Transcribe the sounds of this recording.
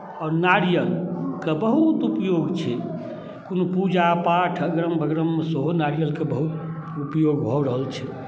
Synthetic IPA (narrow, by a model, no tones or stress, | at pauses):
ɔːɾnaɾijəlkebəɦut̪upjoɡt͡ʃʰɛ | konopud͡ʒapaʈʰəɡɾəmbʱəɡɾəmːsəɦonaɾijəlkebəɦut̪ | upjoɡbʱɔɾəɦəlt͡ʃʰɛ